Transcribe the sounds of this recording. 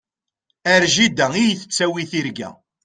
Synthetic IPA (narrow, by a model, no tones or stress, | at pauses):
æɾʒid̪æijθə̥t͡sːæwiθiɾɡæ̰